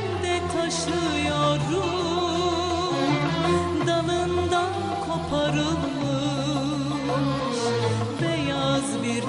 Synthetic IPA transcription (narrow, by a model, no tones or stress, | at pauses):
d̪ɛt̪ʰaʃ | ɯ | joɾu | d̪alˠɯnd̪an | kʰo̞pʰaɾɯlˠmɯ | ʃ | bɛjazbiɾ